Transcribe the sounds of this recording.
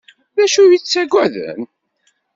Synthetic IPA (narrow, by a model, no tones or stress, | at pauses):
ðæʃujit͡sːæɡʷæðə̰n